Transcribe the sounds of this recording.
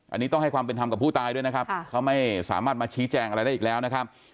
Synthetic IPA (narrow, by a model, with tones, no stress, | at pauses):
ʔa˧nːi˦˥ɔ˥˩ŋha˥˩jkwaː˧mpe˧nt̪ʰa˧ka˨˩pʰːuː˥˩t̪aː˧jdu˥˩əjna˦˥kʰa˦˥pkʰa˦˥wma˥˩jsa̰ː˩˦maː˥˩t̪̚maː˧t͡ɕʰiː˦˥t͡ɕɛː˧ŋʔa˧ɾa˧jda˥˩ʔ̚ːlɛː˦˥wna˦˥kʰa˦˥p̚